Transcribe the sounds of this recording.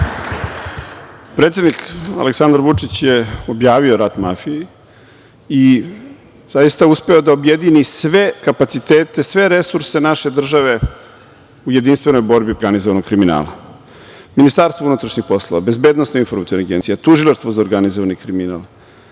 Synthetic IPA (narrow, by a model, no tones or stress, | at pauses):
pɾet̪sʲe̞d̪nika̰leksand̪ɾʋut͡ʂit͡ɕjeo̞bjaːʋioɾat̪mafije | i | zajist̪auspe̞od̪aobjed̪inisʋe̞kapat̪sit̪eːt̪e̞sʋe̞ɾe̞suɾse̞naʃe̞d̪r̩ʒaʋe̞ | uje̞d̪inst̪vʋe̞no̞jbo̞ɾbioɾɡanizoʋanokkɾimina̰ːla̰ | minist̪aɾst̪vounut̪ɾaʃɲixpo̞slˠoʋa̰be̞zbe̞ːd̪nosnoinfoɾmat̪inaɡe̞nt̪sijat̪uʒilˠaʃt̪vozaɾɡanizoʋanikɾimina̰ːlˠ